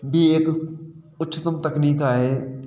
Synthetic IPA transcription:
bʱieːk | ʊtːʃʰɪt̪əmt̪ɐkniːkaɦeː

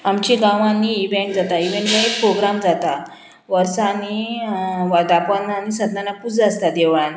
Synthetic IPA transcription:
amt͡ɕiɡãʋanːiːbɛ̃kd͡zat̪aiʋẽɳʈbɛ̃k̚pɾoɡɾamd͡zat̪a | ʋəɾsani | ʋad̪apənːanisəd̪nanapud͡zəst̪ad̪eʋan

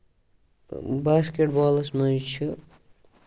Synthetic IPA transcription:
baskeʈbɔːlɐsmɐjt͡ʃʰi

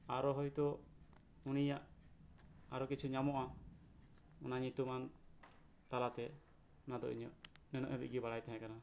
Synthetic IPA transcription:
aɾɔɦɔjt̪ɔ | unijaʔ | aɾɔkit͡ʃʰuɲamɔʔa | unaɲit̪uman | t̪alat̪ɛ | nad̪ɔ̰ʔḭɲɔ̰ʔnɛnɔ̰ʔɛbḭʔ̚ɡibaɽajt̪ɛɦɛ̃kana

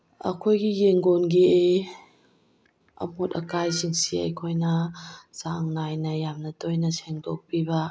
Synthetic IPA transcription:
ɐ̰kʰojɡijeŋɡonɡiej | ɐ̰motɐkajziŋsiɐ̰jkʰojnɐzaŋːajnɐjamnɐtʰojnɐseŋdok̚pibɐ

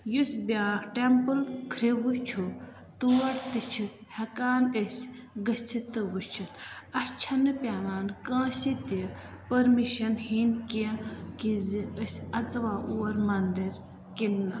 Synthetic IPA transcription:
jusbʲjaːɾʈempɨlkʰɾiʋut͡ʃʰu | t̪uɐɽt̪ɨt͡ʃʰut̪hɐkaːnəsʲ | ɡɐt͡sʰit̪ɨʋut͡ʃʰut̪ɐst͡ʃʰɐnɨpʲaʋaːnkãːsit̪i | pɐɾmiʃɐnhinkikizɨəsʲɐt͡sɐʋaːʔuːɐɾmɐnd̪iɾ | kinːɐ

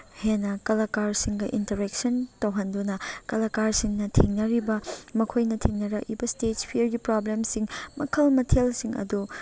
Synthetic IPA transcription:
henɐkɐlɐkaɾsiŋɡɐʔintɐɾek̚sɐntɐwɦɐndunɐkɐlɐkaɾsiŋnɐtʰiŋnɐɾibɐmɐkʰojnɐtʰiŋnɐɾɐʔibɐstet͡ʃpʰiɾɡipɾoblemsiŋmɐ̰kʰɐlmɐtʰelsiŋɐ̰du

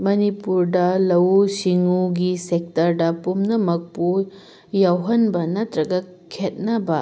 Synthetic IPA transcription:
mɐnipuɾdɐlɐwsiŋuɡisek̚tɐɾdɐpumnɐmɐk̚pu | jawɦɐnbɐnɐtɾɐɡɐ | kʰet̚nɐbɐ

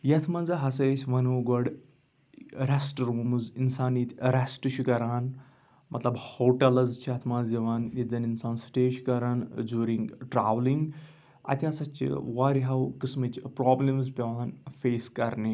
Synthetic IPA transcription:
jɐt̪ʰmɐnzɐɦɐsɐɾesʰʲʋɐnoːɡɔɽ | ɾesʈɾoːmɨzinsaːniːt̪ʲʰɾesʈɨt͡ʃʰukɐɾaːn | mʔɐt̪lɐbhoːʈɐlɐzt͡ʃʰiɐt̪ʰmaːziʋaːnjid͡zɐninsaːnsʈeːʃkɐɾaːnd͡ʒuːɾĩŋɡʈɾa̰ːʋliŋɡ | ɐ̰t̪ʰʲɐsɐt͡ʃʰḭwaɾiɦɐwkɨsmɐt͡ʃpɾaːblimzpʲiʋaːnfeːskɐɾni

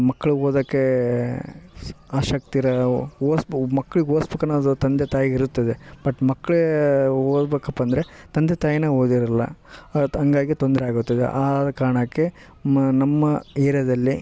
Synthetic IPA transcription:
mɐkːɐɭuoːd̪ɐːkːe | aːʃɐkt̪iɾɐoːsmɐkːɐɭiɡoːsbekɐnːuɐd̪ut̪ɐnd̪et̪aːjiɡiɾut̪ːɐd̪eb̥ɐʈːmɐkːɐɭ | oːdbeːkɐpːɐnd̪ɐɾe | t̪ɐnd̪et̪aːjineːɦoːd̪iɾɐlːɐ̰ | ɐŋɡaːɡit̪o̞nd̪ɐɾeaːɡut̪ːɐd̪ḛʔaːdɐkaːɾɐɳɐkːe | nɐmːɐeːɾɐd̪ɐlːi

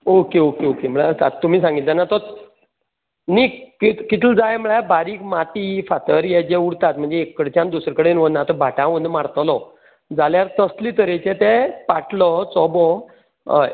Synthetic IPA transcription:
okeokeokem̤əɭaəst̪at̪t̪ːum̤iːsãŋɡilt̪anːat̪ɔ | niːkkikit̪ʰld͡zajm̤əɭabaɾiːkmat̪ifat̪əɾjɛd͡ʑeuɽt̪at̪̚m̤əɳnd͡zeːkːəɽt͡ɕjãnd̪usɾkəɽenʋənat̪ɔbʱaʈãʋonmaɽt̪lɔ | d͡zaljaɾt̪əsliːt̪əɾet͡ɕẽt̪ɛpaʈʰlɔt͡sɔbɔ

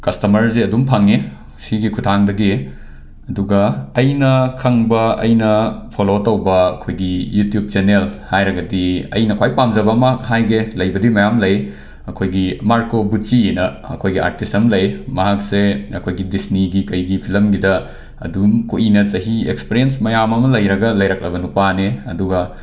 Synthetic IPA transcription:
kɐstɐmɐɾzeɐdumpʰaŋe | siɡikʰutʰaŋdɐɡi | ɐduɡɐːjnɐkʰɐŋbɐɐ̰jnɐpʰolotɐwbɐɐ̰kʰojɡijutjub̚t͡ʃenelhajɾɐɡɐdiɐ̰jnɐkʰwajpamd͡ʒɐbɐmɐakhajɡelɐjbɐdimɐjamlɐj | ɐkʰojɡimaɾkobut͡ʃinɐ | ɐ̰kʰojɡia̰ɾtisɐmlɐjmɐɦak̚seɐkʰojɡidisniɡikɐjɡipʰilɐmɡidɐ | ɐ̰dumkuʔinɐt͡ʃɐɦiekspiɾiensmɐjamɐmɐlɐjɾɐɡɐlɐjɾak̚lɐbɐnupaneɐduɡɐ

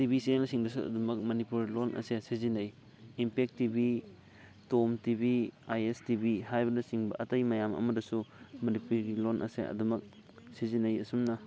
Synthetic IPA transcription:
tibisinelsiŋdɐsuɐ̰dumɐk̚mɐnipuɾilonʔɐ̰sesizinɐjː | mpek̚tibi | tomtibiajestibihajbɐnɐsiŋbɐ̰ʔɐtɐjmɐjamɐ̰mɐdɐsumɐnipuɾɡilonʔɐ̰sḛɐ̰dumɐk̚ | sizinɐjɐsumnɐ

